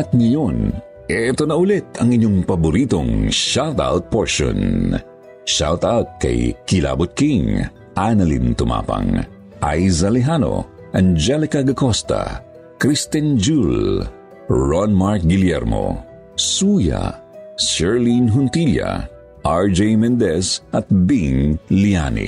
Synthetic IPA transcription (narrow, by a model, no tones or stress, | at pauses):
ɐt̪̚ŋɐjon | ʔɛt̪o̞nɐʔʊlɛt̪ʰɐŋiɲoŋpɐbʊɾit̪oŋʃalt̪a̰wt̪̚poɹʃo̰n | ʃalt̪awt̪̚kɐ̰jkɪla̰bʊt̪̚kiŋ | ʔanɐlḭnt̪ʊmʔa̰ːpɐ̰ŋ | ʔajzɐlɪɦano̞̰ | ʔɐnd͡ʒɛlɪkaɡɐkost̪a̰ | kɾist̪ɛnd͡ʒul | ɹɔnmaɹk̚ɡɪljɛɾmo̰ | suja̰sɛɹlinɦʊnt̪ilja̰ | ʔaɹd͡ʒejmɛnd̪ɛsɐt̪̚biŋlianḭ